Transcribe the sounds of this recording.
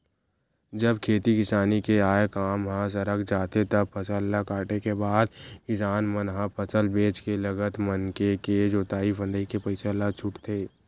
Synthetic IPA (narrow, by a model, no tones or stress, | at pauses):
d͡ʒəbkʰeːt̪ikɪsaːnikeaːjekaːmɦãs̬ɐɾəkd͡ʒaːt̪et̪ɐb̚pʰɐsəlːakaːʈekebaːd̪ɪsaːnmənɦãpʰəsəlbeːt͡ʃkelɐɡət̪mənkeked͡ʒoːt̪aːifə̃nd̪ikepɐɪsəlat͡ʃʰʊʈt̪ʰeː